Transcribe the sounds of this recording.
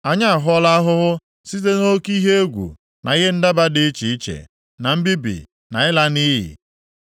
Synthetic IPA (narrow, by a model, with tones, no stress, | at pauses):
a˨ɲa˦a˨ɦɔ˦la˦a˦ɦʊ˦ɦʊ˦ | si˦t̬e˦no˦ki˦ɦe˦e˦ɡʷṵ˨ | na˨ɣe˦n̩˦da˦ba˦dɪ˨˦t͡ʃi˨i˦t͡ʃḛ˨ | na˨m̩˦bi˦bḭ˨ | na˨ɪ˦la˦ni˦ɦḭ˨